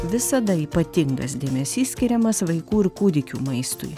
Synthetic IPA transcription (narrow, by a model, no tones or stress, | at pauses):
ʋʲɪsɐd̪ɐiːpɐt̪ʲɪŋɡɐ̰s̬d̪ʲeːmʲɛsʲiːsʲkʲɪɾʲɛmɐsʋɐɪkuːɪɾkud̪ʲɪkʲṵːmɐɪst̪ʊ̰j